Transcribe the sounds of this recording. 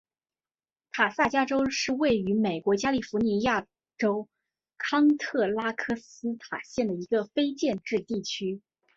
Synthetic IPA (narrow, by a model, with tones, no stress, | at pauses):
t̪ʰa˨˩sa˥˩t͡ɕja˥ʈ͡ʂo˥ʊʂɻ̩˥˧we˥˩ɪy˧˥me˨˩ɪkwɔ˧˥t͡ɕja˥li˥˩fu˧˥ni˧˥ja˥˩ | ʈ͡ʂo˥ʊ | kʰɑ˥ŋt̪ʰɤ˥˩la˥kʰɤ˥˩sɹ̩˥t̪ʰa˨˩ɕjɛ˥˩nd̪ə˩i˧˥ɡə˧fe˥ɪt͡ɕjɛ˥˧nʈ͡ʂɻ̩˥˧t̪i˥˩t͡ɕʰy˥